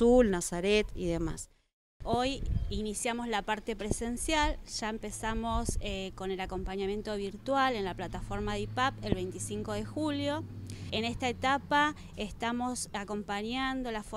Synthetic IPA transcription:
ulnasaɾet̪ḭðema̰s | o̞jinisjamo̞slapaɾt̪e̞pɾese̞nsjalʃaempe̞samo̞seko̞nelako̞mpaɲamje̞nt̪o̞β̞iɾt̪wale̞nlaplat̪afo̞ɾmaðipape̞lβ̞e̞jnt̪isiŋko̞ðe̞xuljo̞ene̞st̪aet̪apa | est̪amo̞sako̞mpaɲand̪olaf

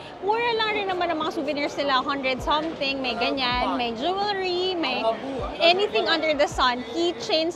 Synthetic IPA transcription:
muɹɐlɐŋɾɪnːɐmanɐŋmɐŋasuːvɛniɹsnɪlaɐhɐnd̪ɹɛd̪̚sɐmθɪŋmɐjɡɐɲanmɐjd͡ʒuɛlɹimɐjʔɛniθɪ̃ŋɐ̃nd̪əɹd̪ɐsɐnhit͡ʃẽjns

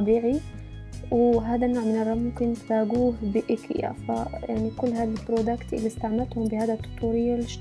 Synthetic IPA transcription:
ɑbiːʕi | wɦaːd̪anːoːʕmɪnɑrˤːɑmʊmkɪnt̪faːɡuːhbɪʔɪkʰḭa̰fajaʕnikʊlːɦaːd̪albɾoːd̪akt̪ʔɪ̰lːist̪aʕmat̪hʊmbɪhaːd̪at̪ːʊ̥t̪ˤːuːɾɪjːalɪʃ

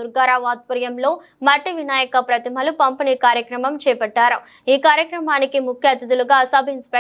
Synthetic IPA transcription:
uɾɡaːɾaːʋaːt̪̚pɐɾjɐmlo̞ː | mɐʈːiʋinaːjɐkɐpɾɐt̪imɐlupɐmpiniːkaːɾjɐkɾɐmɐmt͡ʃɛːpɐɖːaːɾɐ | iːkaːɾjɐkɾɐmaːnikimukʰjɐt̪ɐd̪uluɡaːsɐbʱɐinspe

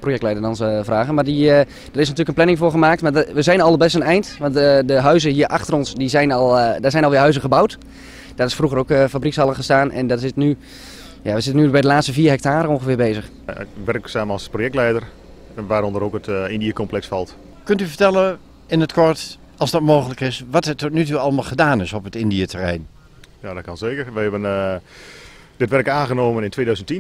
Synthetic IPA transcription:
projɛk̚tlɛjdərdɔnsəvraːɣənmadi | dərɪsnatyːləkənplɛnɪŋvʊːrχəmaːk̚tmadʋəzɛjnɑlˠəbɛstənɛjntʋɑntədəɦœɥzəɦiːərʔaxtərɔnsdizɛjnɔlˠdazɛjnɔlˠʋɪːɦœɥzəχəbawt | d̥ɔtɪsfruɣərokfabrikshɑlˠəχəstaːnʔɛ̰ndɔtɪtny | jaʋəzɪtənybɛjdəlaːtstəfiːəɦɛk̚taːɾəõnχəfɪːbeːzəχ | ʋɛrksaːmlˠsprojɛk̚tlɛjdər | ʋaːɾɔndəɾokətɪndiəkɔmplɛksfɑlˠt | køntyfəɹtɛlˠə | ɪnətkʰɔɹt | ɑlˠsdɔtmoːxələkɪsʋɔtətɔtnytuɑlˠəmalˠχədaːnɪsɔpətɪndiətʰərɛjn | jadɔt̚kɔnseːkərʋɛjhɛbən | d̥ɪtʋɛrkaːnɣənoːmənɪntʰʋeːdœɥzəntin

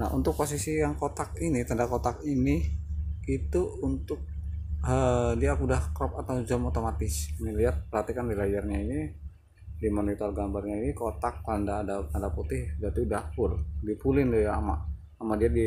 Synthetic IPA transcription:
na̰ṵnt̪ʊk̚posisijaŋkot̪akinit̪andakot̪akini | it̪uunt̪ʊk̚ədiakudahkɾɔp̚at̪awd͡ʒɔmot̪omat̪ɪsiniliat̪̚pərhat̪ikandilad͡ʒarɲaini | dimonit̪ɔrɡambarɲainikot̪ak̚tandaʔːdat̪andaput̪ɪhd͡ʒat̪uudahpʊldipulɪndjaama̰ʔ | amaʔdiadi

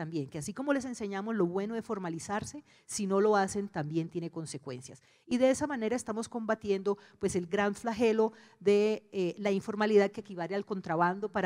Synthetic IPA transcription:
t̪ambje̞ŋke̞asiko̞mo̞le̞s̬e̞nse̞ɲamo̞zlo̞βwe̞noesfo̞ɾmalisaɾse̞ | sino̞lo̞ase̞nt̪ambje̞nt̪je̞neko̞nse̞kwe̞̰nsjas | iðe̞esamane̞ɾaest̪amo̞sko̞mbat̪je̞nd̪o̞pwe̞se̞lɡɾaɱflaxe̞lo̞ | ðe̞laiɱfo̞ɾmaliðað̚keːkiβalealko̞nt̪ɾaβand̪o̞paɾ

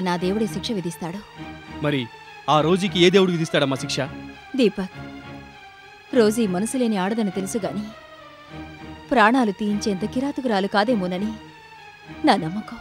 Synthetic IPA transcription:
naːd̪eːwuɽeːʃikʂɐʋid̪ist̪aːɽumɐɾi | aːɾo̞ːd͡ʒikieːd̪eːʋuɽuʋid̪ist̪aːɽɐmaːʃikʂɐ | d̪iːpɐk | ɾo̞ːd͡ʒiːmɐnɐsule̞ːniaːɽɐd̪ɐnit̪e̞lusuɡaːni | pɾaːɳaːlut̪ijiɲt͡ʃeːnt̪ɐkiɾaːt̪uɡɐɾaːlukaːd̪eːmunɐni | naːnɐmːɐku

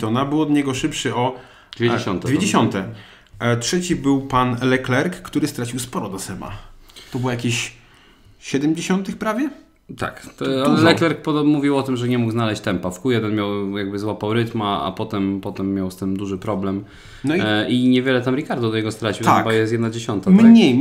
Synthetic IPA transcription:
t̪ɔnabɘwɔd̪ɲɛɡɔʂɘpʂɘɔ | d̪vʲjeeɕɔnt̪ɛvʲjed͡ʑeɕɔnt̪ɛ | tʂɛt͡ɕibɘwpanlɛklɛɾkːt̪uɾɘst̪ɾat͡ɕiwspɔɾɔd̪asɛma̰t̪ɔbwɔjakʲiɕ | ɕɛd̪ɛmd͡ʑeɕɔnt̪ɘxpɾavʲjɛ | t̪a̰kt̪alɛlɛklɛɾk̚pɔmuvʲiwɔt̪ɘmʐɛɲɛmuɡznalɛɕt͡ɕt̪ɛmpafkujɛd̪ɛnmʲjawjaɡ̚bɘzwapawɾɘt̪maa̰pɔt̪ɛmpɔt̪ɛmːjawst̪ɘmd̪uʐɘpɾɔblɛm | nɔiiɲɛvʲjɛlɛt̪amɾʲikaɾd̪ud̪ɔɲɛɡɔst̪ɾat͡ɕiwt̪aɛbajɛsjɛd̪nad͡ʑeɕɔnt̪amɲej

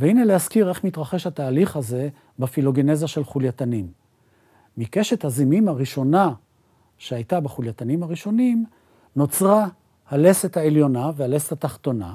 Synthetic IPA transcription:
veinelehaskiʁe̞χmitʁaχe̞ʃhat̪aːliχhaze̞ | bafilo̞ɡenezaʃe̞lχuljat̪animː | ike̞ʃe̞t̪hazimimhaʁiʃo̞na | ʃeajt̪abeχuljat̪animhaʁiʃo̞nim | no̞t͡sʁa | hale̞se̞t̪haeljo̞naveale̞setat̪aχt̪o̞na̰

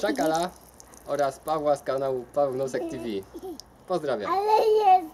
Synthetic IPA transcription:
ʂakala | ɔɾaspavwaskanawupavɛwnɔsɛkt̪ʲivʲi | pɔzd̪ɾavʲja̰alɛjɛ

